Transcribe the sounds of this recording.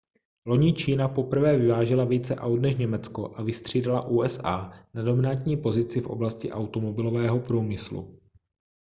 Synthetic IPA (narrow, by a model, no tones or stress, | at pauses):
lo̞ɲit͡ʃiːnapo̞pr̩vɛːvɪvaːʒɛlaviːt͡sɛʔawt̪nɛʃɲɛmɛt͡skoʔavɪst̪r̝̥iːdalaʔuːʔɛsʔaːnado̞mɪnat̪ɲiːpo̞zɪt͡sɪfʔo̰blascɪʔawt̪omobɪlo̞vɛːɦopɾuːmɪslṵ